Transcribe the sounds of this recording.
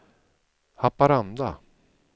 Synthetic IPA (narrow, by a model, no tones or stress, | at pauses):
hapːaɾand̪a̰